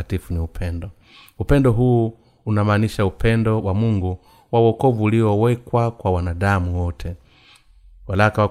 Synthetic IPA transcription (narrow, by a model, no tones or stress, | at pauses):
atifuniupʰɛndɔ | upɛndɔɦuː | unamaːniʃaupʰɛndɔwʔamuŋɡu | wawɔkɔvuːliɔwɛkwakwawanaɗamuwɔtʰɛ | walakawa